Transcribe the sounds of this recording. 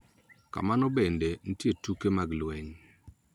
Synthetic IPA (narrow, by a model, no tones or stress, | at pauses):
ka̰manɔbenden̩tjetukemaɡlwɛɲ